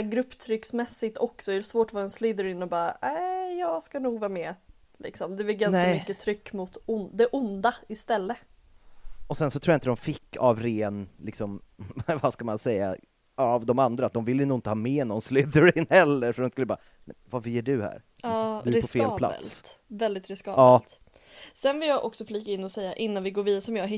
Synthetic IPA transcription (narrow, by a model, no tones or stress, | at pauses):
ɡɾɵpːt̪ʰɾʏksmɛsːɪt̪ɔksɔɛɾɛsvoːʈɔvɑːɾaɛnslid̪əɾɪnːɔbɑːɾaʔæɪjɑːɡskanuːɡvɑːɾmɛ | lʔɪ̰ksɔmd̪ɛbɪlɡansamʏkːət̪ʰɾʏkːmʊt̪ʊnd̪ɛʔʊnd̪aɪst̪ɛlːə | ɔsɛnsɔt̪ʰɾuːaɪnt̪əd̪ɔmfɪkːavɾeːnlɪksɔmvaskamansɛjːa̰ | avd̪ɔmand̪ɾaːt̪̚d̪ɔmvɪlːjənuːɪnt̪əhɑːmeːnɔnslʏd̪əɾɪnhɛlːəɾfœɖ̪ɔmskɵlːəbɑː | nɛvaɾfəjœːɖɵhæ̰ɾ | ɑːd̪ɵɾɪpɔfeːlpʰla̰lst̪vɛld̪ɪt̪ɾɪskɑɑːt̪ | sɛnvɪljɑːʔɔ̰ksɔfliːkaɪnːɔsɛjːaʔɪnːanvɪɡoːɾviːd̪aɾəsɔmjɑːɦɪ